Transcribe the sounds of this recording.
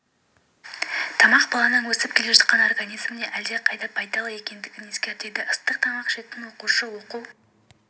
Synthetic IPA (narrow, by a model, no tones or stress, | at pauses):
t̪ʰɑmɑqbɑlˠɑnəŋwɵsɪp̚kʲʰe̞leʒɑt̪̚qɑno̞rɡanʲijzmɪneʔæld̪eqʰɑjd̪ɑpʰɑjd̪ɑlˠɑje̞kʲe̞nd̪ɪɡʲɪnez̥kʲet̪e̞d̪ɪʔəst̪əq̚t̪ʰɑmɑqʃe̞t̪ːɪnwo̞quʃəwo̞quw